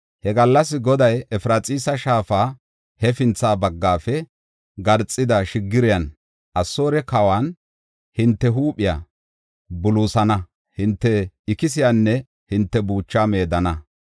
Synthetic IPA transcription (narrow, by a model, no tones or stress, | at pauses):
hɛɡɐlːɐs̬ːɪɡɔd̪ɐjɛfɾaːt͡sʼiːsɐʃaːfaː | hɛfɪnt͡sːaːbɐɡːaːfɛ | ɡɐɾt͡sʼːɪd̪ɐʃɪɡːɪɾɪjɐn | ʔɐsːo̞ːɾɛkɐwaːn | hɪnt̪ːɛɦuːpɪja̰ | bʊluːsɐnɐ | hɪnt̪ːɛɪkɪs̬ɪjanːɛ | hɪnt̪ːɛbuːt͡ʃːaːme̞ːd̪ɐnɐ